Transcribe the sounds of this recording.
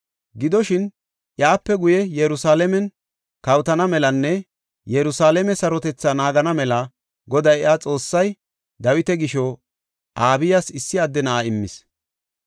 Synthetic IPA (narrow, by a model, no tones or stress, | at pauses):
ɡɪd̪ɔʃɪn | ʔjaːpːɛɡʊjɛjɛɾʊsaːlɛmɛn | kɐwt̪ɐnɐmɛlɐnːɛ | jɛɾʊsaːlɛmɛsɐɾɔt̪ɛt͡sːɐnaːɡɐnɐmɛlɐ | ɡɔd̪ɐjaːt͡sʼo̞ːsːɐj | d̪ɐwɪt̪ɛɡɪʃɔ | ʔaːbɪjasɪsːɪɐd̪ːɛnɐʔaɪmːɪ̰s